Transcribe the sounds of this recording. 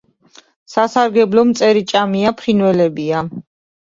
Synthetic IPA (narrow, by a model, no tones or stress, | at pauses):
sasaɾɡɛblɔmt̪sʼɛɾit͡ʃʼamiapʰχinwɛlɛbia